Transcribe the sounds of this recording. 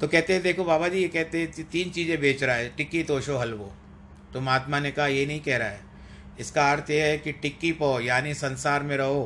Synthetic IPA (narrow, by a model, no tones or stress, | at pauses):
t̪okɛɦt̪ẽɦɛ̃d̪eːkʰobaːbad͡ʒiːjekɛɦt̪eɦɛ̃t̪iːnt͡ʃiːzẽbʱeːt͡ʃɾaaɦɛʈɪkːit̪oːʃoɦɐlʋo | t̪ʊmaːt̪manekɐɦajenɐɦĩkɛɦɾaɦɛː | ɪskaaːɾt̪ʰjeɦɛkiʈɪkːipojaːnisɐ̃nsaːɾmẽɾɐɦoː